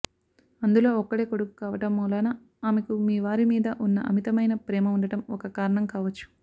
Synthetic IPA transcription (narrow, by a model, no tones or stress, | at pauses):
ɐnd̪ulo̞ːɔkːɐɽe̞ːkoɽukːu̥kaːʋɐʈɐmːuːlaːnɐ | aːmekumiːʋaːɾimiːd̪ɐʔunːɐʔɐmit̪ɐmɐjnɐpɾɛːmɐuɳɖɐʈɐmɔkɐkaːɾɐɳɐmkaːʋɐt͡ʃːu̥